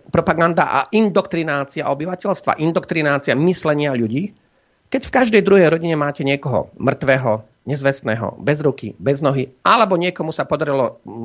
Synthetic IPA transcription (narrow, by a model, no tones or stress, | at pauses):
pɾɔpaɡand̪a̰ʔa̰ʔind̪ɔkt̪ɾinaːt͡sia̰ʔɔbiʋacɛʎst̪ʋa̰ʔind̪ɔkt̪ɾinaːt͡siamislɛɲɪaʎuɟiː | kɛcfkaʒd̪ɛjd̪ɾuɦɛjɾɔɟiɲɛmaːcɛɲɪɛkɔɦɔ̰mr̩t̪ʋɛːɦɔ | ɲɛzʋɛst̪nɛːɦɔ̰bɛzɾukḭbɛznɔɦiʔalɛbɔɲɪɛkɔmusapɔd̪aɾilɔ